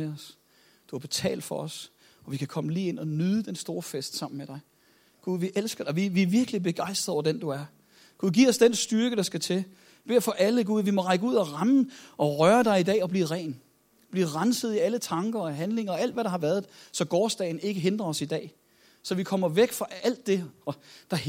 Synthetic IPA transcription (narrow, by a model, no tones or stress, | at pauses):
eɒs | d̥uæɐb̥e̝t͡sʰɛ̰ːld̥fɒ̽ɒs | ɒ̽ʋikʰækʰɒ̽məliːe̝n̰ɒ̽nyðˠəd̥ensd̥o̝ːɐfesd̥sɑ̈m̰n̩meɾ̥ɑ̈ɪ | ɡ̥uðˠʋiʔelsɡ̥ɐʋiʋiæɐʋiɐɡ̥əlib̥e̝ɡ̥ɑ̈ɪ̰sd̥ʁɐð̩ˠɒ̰ɐd̥end̥uæɐ | ɡ̥uðˠɡ̥iːɐɒ̽sd̥ensd̥yɐɡ̥əɾ̥ɑ̈sɡ̥æt͡sʰe̝ | b̥e̝ːɐfɒ̽ʔæləɡ̥uð̞ˠʋimɒ̽ʁɑɪɡ̥əuð̞̰ˠɒʁɑmʔɒ̽ʁɶːɐd̥ɑ̈ɪid̥ɛ̰ːɒ̽b̥lḭːʁɛ̰ːn | b̥liːʁɑnsəð̞̩ˠiælət͡sʰɑ̈ŋɡ̥ɐɒɦænle̝ŋɐ̽ːæl̰d̥ʋæɾɑ̈hɑ̈ʋæːɐð̞ˠsɒ̽ɡ̥ɒːsd̥ɛ̰ɪn̩e̝ɡ̥əɦe̝nd̥ʁɐɒ̽sid̥ɛ̰ː | sɒ̽ʋikʰɒ̽m̰ɐʋeɡ̥fʁɑ̈æl̰d̥ːe̝ɒ̽d̥ɑ̈